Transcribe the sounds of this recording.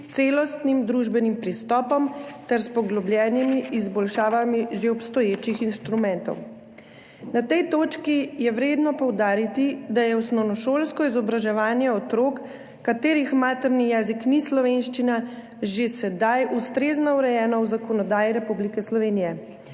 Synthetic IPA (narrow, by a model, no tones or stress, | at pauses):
t̪selɔst̪nimd̪ɾuʒbɛnimpɾist̪ɔːpɔmt̪ɛɾspɔɡlɔbljɛːnimiʔːzbɔlʃaːʋamiʒeɔpst̪ɔjeːt͡ʃixinst̪ɾumɛnt̪ɔ̰w | nat̪ɛjt̪oːt͡ʃkijɛwɾeːd̪nɔpɔwd̪aːɾit̪id̪ajɛwsnɔwnɔʃoːlskɔizɔbɾaʒɛʋaːnjɛɔt̪ɾoːkː | at̪eːɾixmaːt̪ɛɾnijɛːziknislɔʋenʃt͡ʃina | ʒesɛd̪ajust̪ɾeːznɔuɾɛjɛːnɔwzakɔnɔd̪aːjiɾɛpublikɛslɔʋeːnijɛ